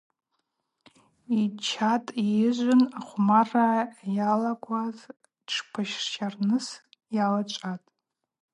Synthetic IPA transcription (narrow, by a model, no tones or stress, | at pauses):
it͡ʃʰatʼijɪʒʷʊnaχʷmarajalakʷʰʼaz | ʈ͡ʂʰpʰaʃʂt͡ʃʰarnɨs | jalat͡ʃʷʼatʼ